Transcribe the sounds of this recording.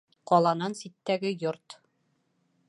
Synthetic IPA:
qɒlˠɑnɑnsit̪ːæɡɘjoɾt̪

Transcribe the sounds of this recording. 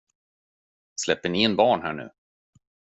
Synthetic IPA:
slɛpːəɳɪɛnbɑːɳɦæːɳʉ̟̰ː

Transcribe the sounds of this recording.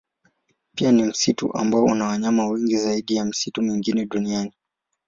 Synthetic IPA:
pianim̩sitṵʔa̰mbaɔṵnawaɲamawɛŋɡizaiɗijam̩situmwiŋɡinɛɗuniani

